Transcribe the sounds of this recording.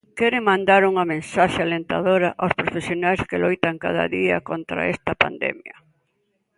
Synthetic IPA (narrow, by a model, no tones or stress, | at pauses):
kɛɾɪmãnd̪aɾuŋɐmẽnsaʃealent̪aðoɾɐʔawspɾofesjonajskɪlojt̪aŋkaðɐ̰ðiɐ̰kont̪ɾa̰ɛst̪ɐpa̰nd̪ɛ̰mjɐ